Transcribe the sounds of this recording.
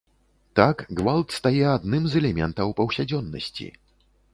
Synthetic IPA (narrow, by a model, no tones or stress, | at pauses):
t̪akɡvalˠt̪st̪ajɛad̪nɨmzɛlʲɛmʲɛ̰nt̪ɐwpɐwsʲad͡zʲɔnːɐ̰sʲt͡sʲḭ